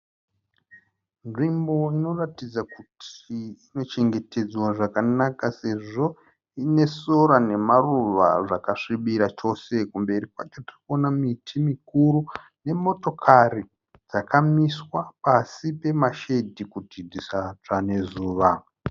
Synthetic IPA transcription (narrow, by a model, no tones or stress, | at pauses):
nʐimbo̞ino̞ratid͡zakutʰiine̞t͡ʃe̞ŋɡe̞te̞d͡zwaʐakanakase̞ʐo̞ | ine̞so̞ɾane̞maruʋa̰ʐakaʂiɓiɾat͡ʃo̞se̞kumbe̞ɾikwat͡ʃotiriko̞namitʰimikuɾu | ne̞mo̞to̞kʰari | d͡zakʰamiswapasipe̞maʃe̞dʱikutidʱisat͡ʂane̞zuːʋa